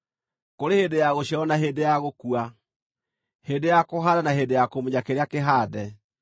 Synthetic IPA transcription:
koɾehedejaɣoɕjaɔnaɦedejaɣokua | hedejakoɦaðanaɦedejakomoɲakeɾeakeɦaːðɛ

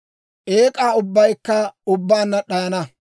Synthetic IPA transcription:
ʔeːkʼaːʊbːɐjkːɐʊbːaːnːɐɗɐjɐnɐ

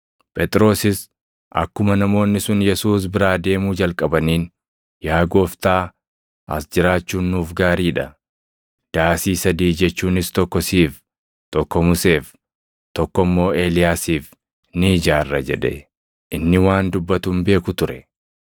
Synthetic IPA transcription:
pʼɛt̪ʼɪɾo̞ːsɪs | ʔɐ̰kːʊmɐnɐmo̞ːnːɪsʊnjɛsuːs̬bɪɾaːd̪e̞ːmuːd͡ʒɐlkʼɐbɐniːn | jaːɡo̞ːft̪aː | ʔɐsd͡ʒɪɾaːt͡ʃːuːnːuːfɡaːɾiːᶑɐ | d̪̥aːsiːsɐd̪iːd͡ʒɛt͡ʃːuːnɪst̪ɔkːɔsiːf | t̪ɔkːɔmʊse̞ːf | t̪ɔkːɔmːo̞ːe̞ːlɪjaːsiːf | nid͡ʒaːrːɐd͡ʒɛ̰ᶑɛ̰ | ʔɪnːɪwaːnd̪ʊbːɐt̪ʊːmbe̞ːkʊt̪ʊɾɛ

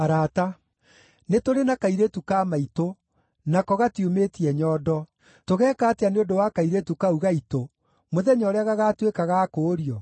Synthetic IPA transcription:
aɾaːta | netoɾenakaiɾetukaːmaito | nakɔɣatiometiɛɲɔːdɔ | toɣɛːkaːteaneondowakaiɾetukauɣaito | moðɛɲɔɾɛaɣaɣatwekaɣakoːɾiɔ

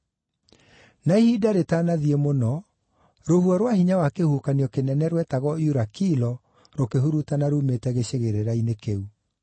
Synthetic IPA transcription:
naihidaɾetanaðiemonɔ | ɾohuɔɾwahiɲawakehukaniɔkenɛnɛɾwɛtaɣɔjuɾakilɔ | ɾokeɦuɾutanaɾumetɛɣeɕeɣeɾeɾainekeu

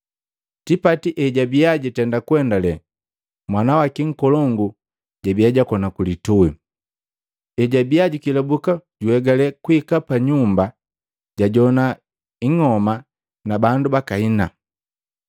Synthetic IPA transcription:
tipatiʔɛɟabiaɟitɛndakuɛndalɛ | mwanawakiŋ̩kɔlɔŋɡu | ɟabijaɟakɔnakulitui | ɛɟabiaɟikilɛbukaɟuɛɡalɛkuikapaɲumba | ɟaɟɔna | iŋɔma | nabandubakaina

